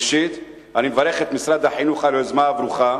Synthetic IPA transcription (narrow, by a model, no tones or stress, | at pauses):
ʃit̪ | animevaɾeχet̪misɾad̪aħinuχalozmaabɾuχa